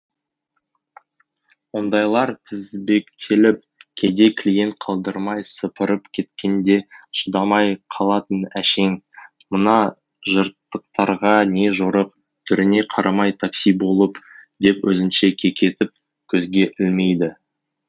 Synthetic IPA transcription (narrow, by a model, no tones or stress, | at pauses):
wo̞nd̪ɑjlˠɑɾt̪ʰɪzbe̞kt̪ʰelɪp̚kʲʰe̞d̪e̞kʲʰlije̞nt̪̚qʰɑlˠd̪əɾmɑjsəpəɾəpkʲʰe̞t̪kʲʰe̞nd̪e̞ʃəd̪ɑmɑjqʰɑlˠɑt̪ənæʃe̞ŋ | mənɑ | ʒəɾt̪ːəq̚t̪ɑɾʁɑne̞ʒoɾəq̚ | t̪ʰʏɾɪne̞qʰɑɾʔɑmɑjt̪ʰaksijbo̞lˠəpd̪e̞pwʔɵzɪnʃe̞kʲʰe̞kʲʰe̞t̪ɪp̚ | kʲʰɵzɡʲe̞ʔɪlme̞jd̪ɪ